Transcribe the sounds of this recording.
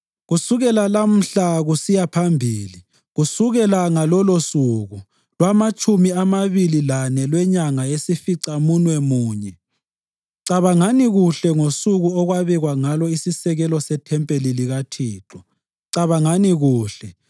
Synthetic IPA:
ɣusuɣɛlalam̩ɬaɣusijapʰambʱiːli | ɣusuɣɛlaŋalɔlosuɣu | lwamat͡ʃʼumiamaβililanɛlwɛɲaŋaesifiǀamunwɛmuːɲɛ | ǀaβaŋaniɣuɬɛŋosuɣuɔɣwaβɛɣwaŋalɔisisɛɣɛlɔsɛtʰɛmpʼeliliɣatʰiːǁʰɔ | ǀaβaŋaniɣuːɬɛ

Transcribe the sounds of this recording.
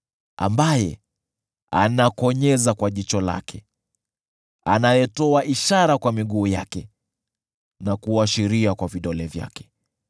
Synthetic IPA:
a̰mbajɛ̰ | a̰nakɔɲɛzakwaʄit͡ʃɔla̰kʰɛ | a̰najɛtɔaʔiʃaɾakwamiɠuːja̰kɛ | nakuaʃiɾiakwaviɗɔlɛvja̰kɛ̥

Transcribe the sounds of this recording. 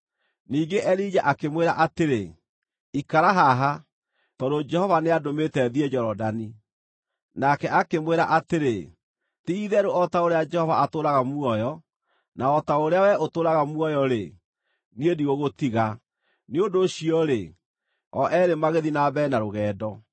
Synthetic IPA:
niːɡeʔɛɾid͡ʒaʔakemweɾa̰ʔateɾe | ikaɾaɦaɦa | tɔdod͡ʒɛhɔvaneadometɛðiɛd͡ʒɔɾɔdani | nakɛakemweɾa̰ʔateɾe | tiiðɛɾoɔtaoɾead͡ʒɛhɔvaatoɾaɣamuɔjɔ | naɔtaoɾeawɛotoːɾaɣamuɔjɔɾe | niediɣoɣotiɣa | neondoɕiɔɾe | ɔʔɛɾemaɣeðinabɛnaɾoɣɛːdɔ

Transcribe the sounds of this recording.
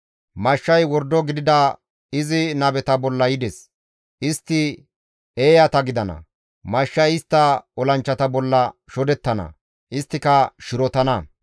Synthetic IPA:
mɐʃːɐjwɔɾd̪ːɔɡɪd̪ɪd̪ɐ | ɪzɪnɐbɛt̪ɐbɔlːɐjɪd̪ɛs | ʔɪst̪ːɪ | eːjɐt̪ɐɡɪd̪ɐnɐ̰ | mɐʃːɐjɪst̪ːɐɔlɐnt͡ʃːɐt̪ɐbɔlːɐʃɔd̪ɛt̪ːɐnɐ̰ | ʔɪst̪ːɪkɐʃɪɾɔt̪ɐnɐ

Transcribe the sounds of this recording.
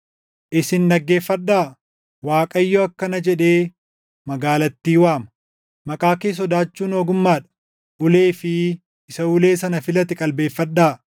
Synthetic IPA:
ʔɪsɪnːɐɡːe̞ːfːɐɗːaː | waːkʼɐjːɔɐkːɐnɐd͡ʒɛᶑe̞ː | mɐɡaːlɐt̪ːiːwaːmɐ | mɐkʼaːkeːs̬ɔd̪aːt͡ʃːuːnoːɡʊmːaːᶑɐ̥ | ʔʊleːfɪ | ɪsɐʊle̞ːsɐnɐfɪlɐt̪ɪkʼɐlbe̞ːfːɐɗːaː

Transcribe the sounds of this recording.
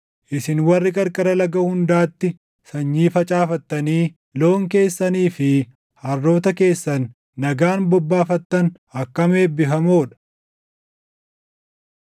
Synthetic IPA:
ʔɪsɪnwɐrːɪkʼɐɾkʼɐɾɐlɐɡɐhʊnd̪aːt̪ːɪ | sɐɲːiːfɐt͡ʃʼaːfɐt̪ːɐniː | lo̞ːŋke̞ːsːɐniːfɪ | hɐrːo̞ːt̪ɐke̞ːsːɐnː | ɐɡaːnbɔbːaːfɐt̪ːɐn | ɐkːɐme̞ːbɪfɐmo̞ːᶑɐ̥

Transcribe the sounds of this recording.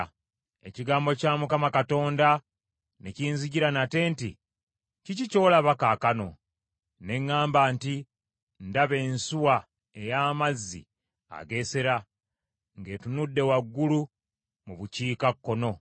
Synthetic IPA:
ḛciɡaːmbo̞camukamakato̞ːnda | neciːnziɟiɾanate̞ːntḭ | cicico̞ːlaβakaːkano̞̰ | ne̞ŋːaːmbaːnti | ndaβe̞ːnsuwa | ejaːmazːḭ | a̰ɡe̞se̞ɾa | ŋɡe̞ːtunudːe̞waɡːulu | muβuciːkakːo̞no̞

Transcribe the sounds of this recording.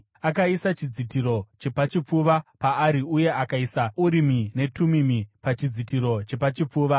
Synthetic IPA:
akaisat͡ʃid͡zitiɾo̞t͡ʃe̞pat͡ʃip͡fuʋapaːɾiuje̞akaisauɾimine̞tumimipat͡ʃid͡zitiɾo̞t͡ʃe̞pat͡ʃip͡fuːʋa

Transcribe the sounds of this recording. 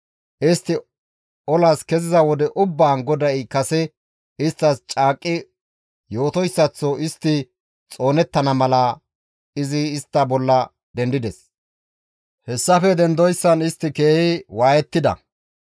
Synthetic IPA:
ʔɪst̪ːɪ | ɔlaskɛzɪzɐwɔd̪ɛʔʊbːaːnɡɔd̪ɐɪkɐsɛ | ɪst̪ːɐst͡ʃʼaːkʼːɪ | jo̞ːt̪ɔjsːɐt͡sːɔɪst̪ːɪ | t͡sʼo̞ːnɛt̪ːɐnɐmɐlɐ | ɪzɪːst̪ːɐbɔlːɐ | d̪ɛnd̪ɪd̪ɛs | hɛsːɐfɛd̪ɛnd̪ɔjsːɐnɪst̪ːɪke̞ːhɪwaːjɛt̪ːɪd̪ɐ̰

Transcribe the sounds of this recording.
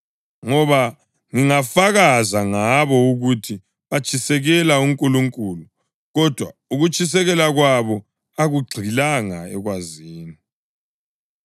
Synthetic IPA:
ŋɔβa | ŋiŋafaɣazaŋaβɔuɣutʰi | βat͡ʃʰʼisɛɣɛlauŋkʼuluŋkʼulu | ɣɔd̥ʱwauɣut͡ʃʼis̬ɛɣɛlaɣwaβɔ | aɣuɡ͡ǀʱilaŋaɛɣwaziːni

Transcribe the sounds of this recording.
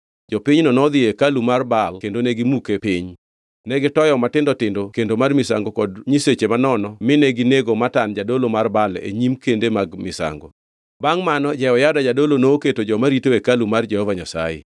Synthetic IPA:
d͡ʒɔpiɲnɔnɔd̪ɪekalumarbalkendoneɡɪmukepɪɲ | nɛɡɪtɔjɔmatɪndɔtɪndokendomarmɪsa̰ŋɡokɔdɲiset͡ʃemanɔnɔmɪneɡɪneɡomatand͡ʒadolomarbalḛɲimkendemaɡmɪsa̰ŋɡo | baŋmanɔd͡ʒɛɔjadad͡ʒadolonoːketod͡ʒɔmaɾitoekalumard͡ʒɛhɔvaɲasa̰jḛ

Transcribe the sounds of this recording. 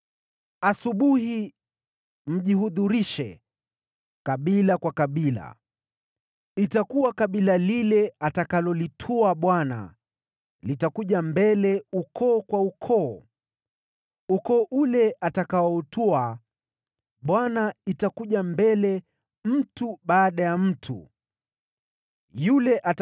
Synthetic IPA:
asuɓuhi | m̩ʄiɦuðuɾiʃɛ̰ | kaɓilakwakaɓila̰ | itakuwakaɓilalilɛatakalɔlitʰuaɓwana̰ | litakuʄambɛlɛukʰɔːkwaukʰɔː | ukɔːʔulɛʔatakaɔutʰua | ɓwanaitakuʄambɛlɛ | m̩tuɓaːɗajam̩tʰṵ | julɛʔat

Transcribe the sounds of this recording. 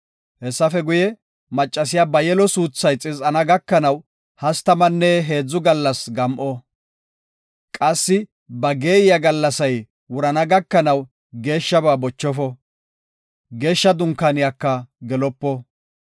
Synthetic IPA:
hɛsːɐfɛɡʊjɛ | mɐt͡ʃʼːɐs̬ɪjabɐjɛlɔsuːt͡sːɐjt͡sʼɪzʼɐnɐɡɐkːɐnɐw | hɐst̪ɐmɐnːɛɦe̞ːd͡zːʊɡɐlːɐsɡɐmʔɔ | kʼɐsːɪ | bɐɡe̞ːjɪjɐɡɐlːɐsɐj | wʊɾɐnɐɡɐkːɐnɐw | ɡe̞ːʃːɐbaːbɔt͡ʃːɔfɔ | ɡe̞ːʃːɐd̪ʊŋkːɐnɪjakːɐɡɛlɔpːɔ

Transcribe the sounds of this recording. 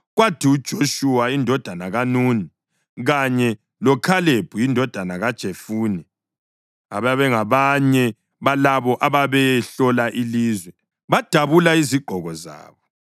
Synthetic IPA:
ɣwatʰiud̥ʒ̥ʱoʃuwaindʱɔd̥ʱanaɣanuːni | ɣaɲɛ | lɔkʰaleb̥ʱujindʱɔd̥ʱanaɣad̥ʒ̥ʱefuːnɛ | aβaβɛŋaβaɲɛ | βalaβɔʔaβaβɛɬɔlaʔiliːzwɛ | βad̥ʱaβulaiziɡ͡ǃʱɔɣɔza̰ːβɔ

